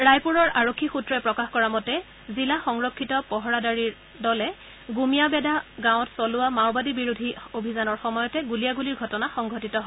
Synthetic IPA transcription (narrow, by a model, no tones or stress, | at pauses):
ɹajpuɹɔɹaɹokʰːixutɹɔjpɹɔkaxkɔɹamɔtɛ | zilaxɔŋɹokʰːitɔpɔɦɔɹadaɹiɹ | dɔlɛ | ɡumijabɛdaɡãw̃ɔtsɔlʊwamawbadibiɹudʱiobʱizanɔɹxɔmɔjɔtɛɡulijaɡuliɹɡʱɔtɔnaxɔŋɡʱɔtitɔɦɔ